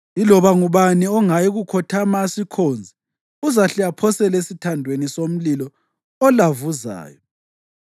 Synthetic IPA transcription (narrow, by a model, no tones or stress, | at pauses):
ilɔβaŋuβaniɔŋajiɣukʰɔtʰamasikʰoːnd͡zʱi | uzaɬɛjapʰɔsɛlesitʰandʱwenisom̩lilɔ | ɔlavuza̰ːjɔ